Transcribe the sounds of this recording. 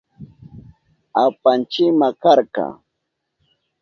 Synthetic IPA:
apant͡ʃɪmakaɾkɑ̰

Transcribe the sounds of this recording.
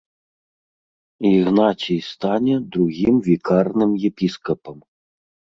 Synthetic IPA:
iɣnat͡sʲijst̪anʲɛd̪ɾuɣʲimvʲikʰarnɨmjɛpʲiskɐpɐm

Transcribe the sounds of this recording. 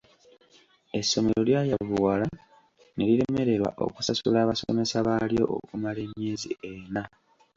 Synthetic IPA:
e̞sːo̞me̞ɾo̞ljaːjavuwala | ne̞ɾiɾe̞me̞ɾe̞ɾwa̰ʔo̞̰ku̥sasulaːβaso̰me̞saβaljo̞̰ʔo̰kumale̞mje̞ːzḭe̞na

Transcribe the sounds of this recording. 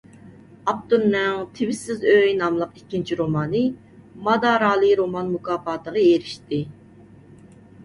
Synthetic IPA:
ɑp̚t̪unːɛŋt̪ʰɪwɪsɪzøjnɑmlˠəqikʲːint͡ʃʰiɾomɑːnɨ | mɑd̪ɑːɾɑːlˠɨɾomɑnmukʰɑːfɑːt̪ʰəʁɑeɾɪʃt̪ɪ

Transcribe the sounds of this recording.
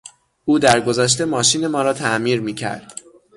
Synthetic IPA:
ʔuːd̪æɾɡo̞zæʃ̬t̪e̞mɒːʃiːne̞mɒːɾɒːt̪ʰæʔmiːɾmiːcʰæ̰ɾd̪̥

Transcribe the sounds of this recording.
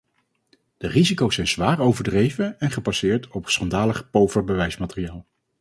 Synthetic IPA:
d̥ərizikowsɛjnz̥ʋaːɹowvəɹdrejvəɛnχəbasɪːɹtʰɔpsχɑndaːləχpowvəɹbəʋɛjsmaːtərijaːlˠ

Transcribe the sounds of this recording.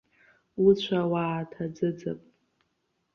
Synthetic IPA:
ut͡ɕʷʰawaːtʰad͡zɨd͡za̰pʼ

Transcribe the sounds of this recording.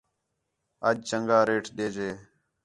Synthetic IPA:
əd͡ʒt͡ʃəŋɡaːɾeːʈʰɗ̪eːd͡ʒeː

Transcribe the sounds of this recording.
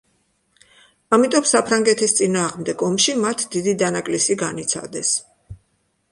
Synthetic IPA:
amit̪ʼɔmsapʰɾaŋɡɛt̪ʰist̪sʼinaːʁmd̪ɛɡɔmʃimat̪ʰd̪id̪id̪anakʼlisiɡanit̪sʰa̰d̪ɛs

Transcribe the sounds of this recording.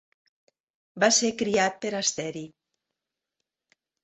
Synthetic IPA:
basekɾiat̪̚peɾast̪ɛɾi

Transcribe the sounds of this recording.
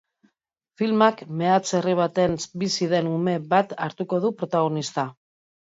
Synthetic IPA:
filmakme̞at͡se̞riβ̞at̪e̞nsbisiðe̞nume̞βat̪aɾt̪uko̞ð̞upɾo̞t̪aɣ̞o̞nist̪a

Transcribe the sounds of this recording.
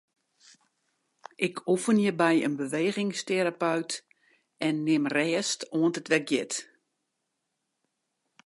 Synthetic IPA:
ʔɪkʰufənjəbɛjə̰nbəʋeːɣɪŋsteɾapœɥt | ɛnːɪmrɛːstoəntətʋɛk̚jɪt

